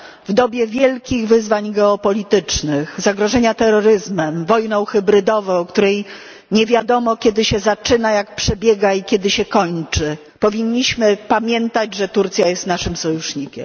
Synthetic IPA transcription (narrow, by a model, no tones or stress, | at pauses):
vd̪ɔbʲjɛvʲjɛlkʲiɣvɘzvaɲɡɛɔpɔlʲit̪ɘt͡ʂnɘxzaɡɾɔʐɛɲat̪ɛɾɔɾɘzmɛmvɔjnɔ̃w̃xɘbɾɘd̪ɔvɔ̃w̃kt̪uɾɛj | ɲɛvʲjad̪ɔmɔkʲɛd̪ɘɕɛzat͡ʂɘnajak̚pʂɛbʲjɛɡaikʲjɛd̪ɘɕɛkɔɲt͡ʂɘ | pɔvʲiɲːiɕmɘpamʲjɛnt̪ad͡ʑʐɛt̪uɾt̪sʲjajɛst̪naʂɘmsɔjuʂɲikʲɛm